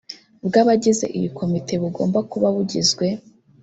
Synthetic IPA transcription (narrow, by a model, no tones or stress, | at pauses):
bɡaβaɟize̞̰ʔiβikʰo̞mitʰe̞βuɡo̞̰ːmbakuβaβuɟizɡwe̞